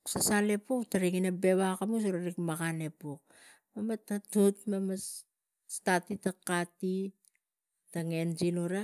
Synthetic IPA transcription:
sasale̞puktaɾiŋinabe̞βakamus̬oɾaɾikmakane̞puk̚ | mamatːatutmamas | statitakati | taŋe̞nd͡ʒinuɾa

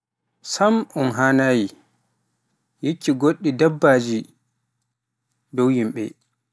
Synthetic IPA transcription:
samɔnɦaːnaːji | jikːiɡoɗːidabːaːd͡ʒi | dowjimɓɛ̰

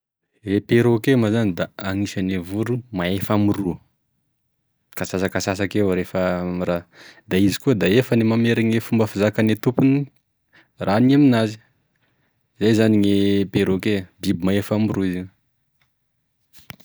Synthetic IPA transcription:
epeɾokemazanid̪aaŋiʃanevuɾumaefamiruə | kasasakasas̬akewɾefəmiɾad̪aizikuəd̪aefənimameɾaŋefumbəfizakanet̪upuni | rʔaniaminazi̥ | zajzaniŋepeɾokedibimaefamruiziw

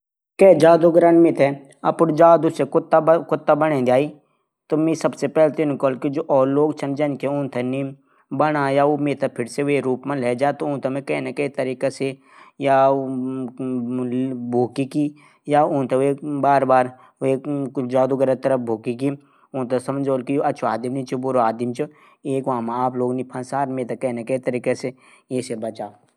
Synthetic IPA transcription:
kɛːd͡ʒaːd̪uɡɾənmɪt̪ʰɛ | ɐpnd͡ʒaːd̪usekʊt̪ːakʊt̪ːabɐnẽd̪iaːi | t̪omĩsɐbsepɛːlt̪ɪnkɔːlkid͡ʒoːʔɔːɾloːɡt͡ʃʰɐnd͡ʒɐnkɛʊ̃nt̪ʰeni | bɐnajaomɪt̪ʰapʰɪɾseʋeɾuːpmẽlɛːd͡ʒaːt̪oʊ̃nt̪ʰɐmẽkɐːnekɐit̪ɐɾiːkase | ja | bʱoːkiki | jaʊ̃nt̪eʋebaːɾbaːɾ | ed͡ʒaːd̪uɡəɾət̪ɐɾəpbʱoːkiki | ʊ̃nt̪asɐməd͡ʒoːlkijoɐt͡ʃʰuaːd̪imnit͡ʃubʊɾoaːd̪imt͡ʃɨ | eːkʋaːmãaːploːɡnipʰɐnsaːɾmeːt̪akɛːneket̪ɐɾiːkese | eːsebɐt͡ʃaː

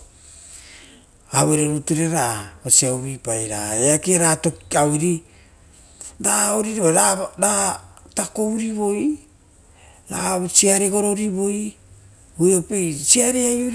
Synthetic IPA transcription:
aβoɾeɾutuɾeɾaosiawβipajɾa̰eakeɾatokawɾi | daoɾiɾaɾaɾatako̞wɾiβo̞j | ɾa̰siaɾeɡo̞ɾoɾiβo̞j | ojopejsiaɾeajuɾ

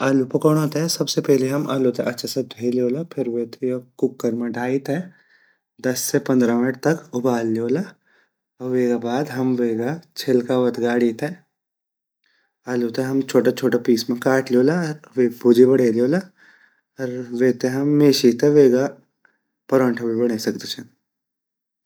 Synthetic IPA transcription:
aːlupʊkɔɽ̃oːt̪eɛsɐbsepɛɦleɦɐmʔaːlot̪eɐtːʃʰased̪ʱeːlioːlapʰɪɾʋeːt̪ʰejokʊkːəɾmẽɖʱaːit̪ɛ | d̪ɐsːepɐ̃nd̪ɾamɪnəʈ̚t̪ɐkʊbaːlːioːla | ɔʋeːɡabaːd̪ɦɐmʋeːɡat͡ʃʰelkaʋɐt̪ʰɡaːɽit̪ɛ | aːloːt̪eɦɐmt͡ʃʰoːʈat͡ʃʰoːʈapiːsmẽkaːʈlioːlaɾʋebʊd͡ʒibɐɽeːlioːla | ɔɾʋeːt̪eɦɐmːeːʃit̪eʋeːɡa | pɐɾɔ̃ɳʈʰɐbibɐɽ̃eːsɐkt̪et͡ʃʰɛ

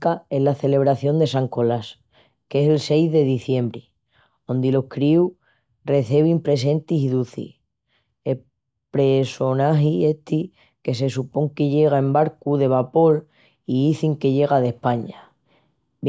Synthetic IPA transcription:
kae̞ɦlaθe̞le̞β̞ɾaθjo̞nd̪e̞saŋko̞las | ke̞selse̞jzðe̞ðiθje̞mbɾi | o̞nd̪ilo̞hkɾiu | re̞θeβ̞impɾe̞se̞nt̪isiðuθḭ | e | pɾeso̞naxiet̪ʰi | ke̞s̬e̞supo̞ŋke̞ʝe̞ɣ̞ae̞mbaɾkuðe̞βapo̞l | iiθiŋke̞ʝe̞ɣ̞aðe̞hpaɲa

